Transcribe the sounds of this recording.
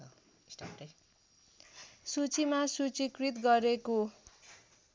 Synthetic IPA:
sʈaʈʌ | sut͡simasut͡sikrit̪ɡʌɾeko

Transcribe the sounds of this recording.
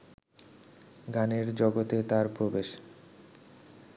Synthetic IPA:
ɡaneɾd͡ʑɔɡot̪et̪aɾpɾobeʃ

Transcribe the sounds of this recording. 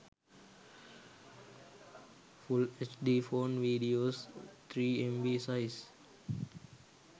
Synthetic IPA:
fulet͡ʃɖiːfoːnʋiːɖioːst̪ʰɾiːẽmʋisaɪs

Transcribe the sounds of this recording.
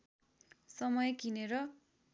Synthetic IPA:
sʌmʌjkineɾʌ

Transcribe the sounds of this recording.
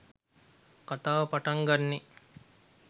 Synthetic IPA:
kat̪aːʋɐpaʈaŋɡanːe

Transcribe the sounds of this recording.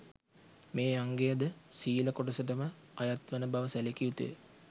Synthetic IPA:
meːaŋɡejad̪əsiːləkoʈəsəʈ̬əmə | ajat̪ʋənəbaʋəsælekiut̪ḛ

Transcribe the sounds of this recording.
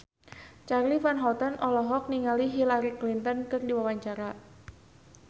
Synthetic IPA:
t͡ʃarlifanɦɔt̪ənʔɔlɔɦɔk̚niŋaliɦilaɾiklint̪ənkɨrdiwawaɲt͡ʃaɾa

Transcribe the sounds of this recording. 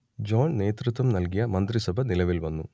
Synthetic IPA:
d͡ʒoːnneːt̪ɾut̪ʋɐmnɐlɡijɐmɐnt̪ɾisɐbʱɐnilɐʋilʋɐnːu

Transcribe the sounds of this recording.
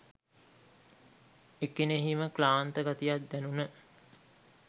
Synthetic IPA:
ekineɦiməklaːnt̪əɡat̪ijat̪̚d̪ænunə

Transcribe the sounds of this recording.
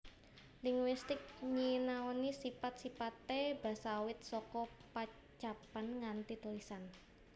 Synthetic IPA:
liŋwist̪ɪk̚ɲinaonisipat̪̚sipat̪ːeb̥a̤sawɪt̪̚sɔkɔpa | t͡ʃapanŋant̪it̪ulisan

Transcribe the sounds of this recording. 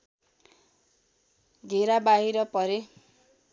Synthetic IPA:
dʱeɾabaɦiɾʌpʌɾe

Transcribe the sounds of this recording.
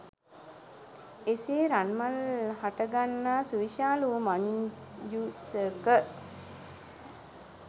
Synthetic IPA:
eseːɾanmalhaʈəɡanːaːsuʋiʃaːlumaɲ | d͡ʒusəkə

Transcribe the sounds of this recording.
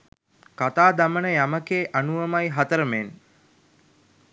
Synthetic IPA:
kat̪aːd̪amənəjaməkeːʔanuʋəmajɦat̪əɾəmen

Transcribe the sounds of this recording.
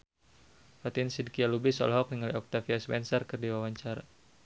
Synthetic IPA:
fat̪insid̚kialubisɔ̰lɦɔk̚niŋaliɔk̚t̪afiaspɛnsarkɨrdiwawaɲt͡ʃaɾa

